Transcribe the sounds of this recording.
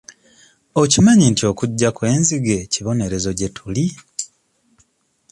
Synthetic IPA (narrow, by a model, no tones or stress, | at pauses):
ocimaɲintio̞ːkuɟːakwe̞ːnziɡe̞ciβo̞ne̞ɾe̞zo̞ɟe̞tʰuli